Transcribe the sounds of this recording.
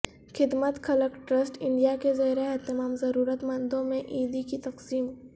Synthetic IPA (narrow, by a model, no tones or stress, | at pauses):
xɪd̪mət̪kʰɐləkʈɾəsʈɪ̃ɳɖijakezɐɾeɛɦt̪ɪmaːmzɐɾuːɾət̪mɐ̃nd̪õmẽʔiːd̪ikit̪ɐqsiːm